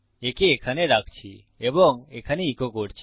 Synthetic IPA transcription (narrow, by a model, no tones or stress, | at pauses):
ekeːkʰaneɾakʰt͡ʃʰi | ebɔŋekʰaneikʰokɔɽt͡ʃʰi̥